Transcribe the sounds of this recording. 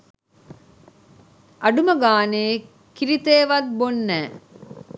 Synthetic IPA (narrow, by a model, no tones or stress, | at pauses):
ʔɐɖuməɡaːneː | kiɾit̪eːʋɐt̪̚bonːɛː